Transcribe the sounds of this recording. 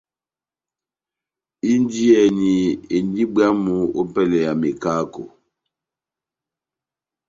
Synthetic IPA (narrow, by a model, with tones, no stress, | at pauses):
i˦n˦di˦ɛ˨ni˨e˨n˦di˦bja˦mu˦o˦pɛ˦lɛ˨ja˨me˨kaː˦ko̰˨